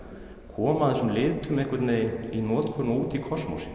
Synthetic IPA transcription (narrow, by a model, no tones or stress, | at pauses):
kʰɔːmaðɪsʏmlɪːt̪ʏmɛhkvʏɾt̪neːjɪninɔːt̪kʰœnuːt̪ikʰɔsmo̰s